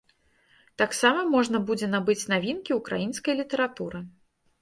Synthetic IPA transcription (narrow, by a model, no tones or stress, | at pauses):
t̪aksamɐmɔʐnɐbud͡zʲɛnabɨt͡sʲnavʲinkʲiukɾa̰jinskɐjlʲit̪ɛɾat̪uɾɨ